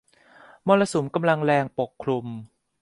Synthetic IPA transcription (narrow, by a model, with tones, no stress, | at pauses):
mɔː˧la˧su˩˦mka˧mla˧ŋlɛː˧ŋpo˨˩kʰːɾu˧m